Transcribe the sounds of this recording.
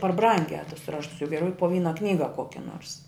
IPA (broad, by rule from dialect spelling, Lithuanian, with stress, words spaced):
pɐr ˈbrɐŋʲɡʲæː tʊs ˈrɑːʃtʊs jɛʊ ɡʲɛˈrʲɛʊ poː ˈʋʲiːnɐ ˈknʲiːɡɐ ˈkoːkʲɛ noːrs